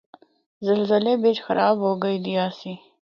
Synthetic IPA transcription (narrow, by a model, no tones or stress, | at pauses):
zəlzəlebet͡ʃxɐɾɑːbɦoɡəjd̪iaːsi